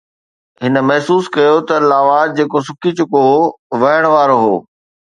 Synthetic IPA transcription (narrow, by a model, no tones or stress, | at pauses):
ɦɪnə̆mɐɦsuːskɐjot̪ɐlaːʋad͡ʑeːkosʊkʰit͡ɕʊko | ʋɐjəɽ̃ʋaːɾoɦoː